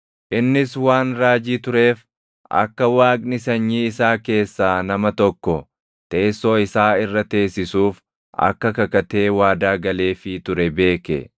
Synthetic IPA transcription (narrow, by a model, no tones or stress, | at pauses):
ʔɪnːɪswaːnɾaːd͡ʒiːt̪ʊɾe̞ːf | ʔɐ̰kːɐwaːkʼnɪsɐɲːiːɪsaːke̞ːsːaːnɐmɐt̪ɔkːɔ | t̪e̞ːsːoːɪsaːɪrːɐt̪e̞ːsːɪsuːf | ʔɐ̰kːɐkɐkɐt̪e̞ːwaːd̪aːɡɐle̞ːfɪt̪ʊɾɛbe̞ːkɛ̰